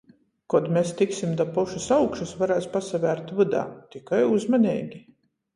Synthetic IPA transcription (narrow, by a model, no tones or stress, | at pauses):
kɔd̪mʲest̪iksimd̪apuʃusawkʃusvaɾæːspasavʲæːɾt̪vɨd̪a̰ːt̪ikajuzmanʲɛːɡʲi